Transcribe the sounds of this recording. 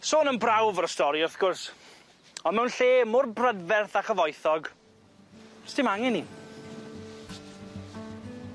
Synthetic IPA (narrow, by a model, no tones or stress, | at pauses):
soːnənbrawvəɾəstɔɾiʊrθɡ̥ʊrs | ɔnmɛwnɬeːmʊrbrədvɛrθaχəvɔjθɔɡ | stɪmaŋɪni